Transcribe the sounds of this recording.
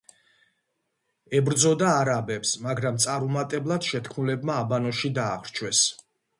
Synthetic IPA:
ɛbɾd̪zɔd̪aːɾabɛpsmaɡɾamt̪sʼaɾumat̪ʼɛblˠad̪̥ʃɛt̪kʰmulɛbmaːbanɔʃid̪aːʁɾt͡ʃʰwɛs

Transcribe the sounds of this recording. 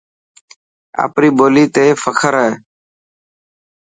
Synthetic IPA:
a̰ːpɾiːboːliːt̪eːfəkʰəɾəe

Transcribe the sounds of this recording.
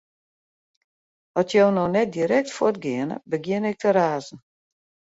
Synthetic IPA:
ɔtjownɔnɛt̚diɾɛk̚tfotɡɪənə̰bəɡjɪnɛk̚tʰəɾaːzn̩

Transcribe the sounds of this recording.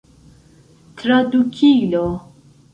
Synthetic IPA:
t̪ʰɾad̪ukʰilo

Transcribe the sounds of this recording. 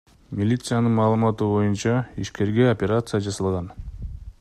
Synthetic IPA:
mʲilʲit̪sɨjanɯnmɑːlˠɯmɑt̪ubo̞junt͡ʃɑiʃke̞ɾɡe̞opʲeɾat̪sɨjad͡ʒɑsɑlˠʁɑn

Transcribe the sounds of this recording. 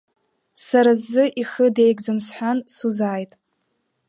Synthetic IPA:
saɾazːɨʔiχəde̞jɡd͡zomsħʷᶣansuzaːjtʼ

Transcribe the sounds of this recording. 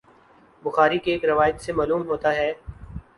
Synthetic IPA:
bʊxaːɾikeːkɾɐʋaːjət̪semaːluːmɦoːt̪aɦɛː

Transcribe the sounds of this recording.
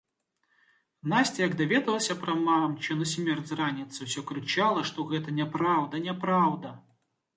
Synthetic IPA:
nasʲt͡sʲɛjɐɡd̪avʲɛd̪ɐlˠɐsʲɐpɾɐmamt͡ʃɛnɐsʲmʲɛrd͡zʲranʲit̪sɨwsʲɔkɾɨt͡ʃalˠɐʂt̪ɔɣɛt̪ɐnʲɛpɾawd̪ɐnʲɛpɾawd̪ɐ

